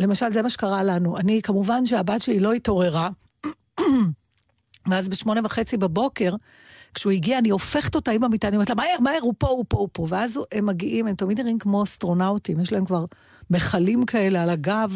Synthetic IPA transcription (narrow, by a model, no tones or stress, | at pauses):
le̞maʃalzemaʃekaʁalanuʔanikamuvanʃeabatʃelilo̞ito̞ʁe̞ʁa | veazbeʃmo̞ne̞vaχe̞t͡sibabo̞ke̞ʁ | kʃeuiɡiaːnio̞fe̞χeto̞taimamitanimtlamaeʁmaeʁupo̞upo̞upo̞veazemːaɡiʔimemtamidniʁimkmo̞astʁo̞nawtimjeʃlae̞mkvaʁ | meχalimkʰae̞lealaɡav